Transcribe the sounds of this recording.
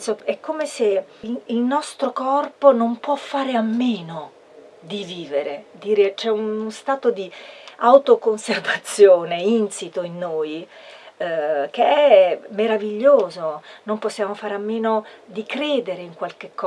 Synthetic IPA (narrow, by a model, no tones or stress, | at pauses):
soɛkʰːomese | ilnɔst̪ɾokɔrponompwɔfːaːɾeamːeːno | d̪iviːveɾed̪iːɾet͡ʃɛunost̪aːt̪od̪iawt̪okonservat̪sːjoːneinsit̪oinːoːj | k̟eɛmːeɾaviʎːoːzonomposːjaːmofaːɾeamːeːnod̪ikɾeːd̪eɾeiŋkwalk̟ekːɔ